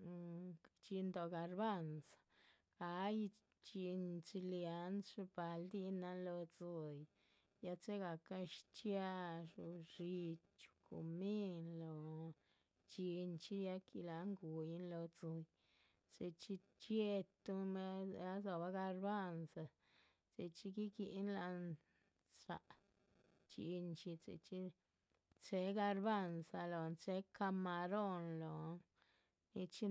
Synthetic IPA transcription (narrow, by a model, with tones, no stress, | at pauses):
t͡ʃi˧nd̪o˨ɡa˧ɾba˦nsḁ˨ | ɡa˨˦j | t͡ʃi˧nt͡ʃi˧lja˨˦nsʂu˧ba˨ld̪i˦na˧nlo˧t͡so˧j | ja˧t͡se˦ɡa˨ka˦ʃt͡ʃja˦ʂu˧ɾi˧ | t͡ʃu̥˧kṵ˨mi˦nlo˨ | t͡ʃi˧nt͡ʃi˦ja˧kḭ˧la˨˦ŋɡu˨ji˦nlo˧t͡so˨˧j | t͡se˧t͡ʃi˧ | t͡ʃe˦t̪u˦e˧˦a˦zo˨ba˧ɡa˧ɾba˦˧nsa˧ | t͡sḛ˧˨t͡ʃi˦ɡi˦ɡi˧ʔnla˧n | sa̰˨˧ʔ | t͡ʃḭ˧nt͡ʃi˧t͡sḛ˧˨t͡ʃi˦ | t͡ʃe˧˦ɡa˧ɾba˦˧nsa˧lo˨˧nt͡ʃe˦ka˧ma˧ɾo˦˧nlo˨˦ | ni˧t͡ʃi˦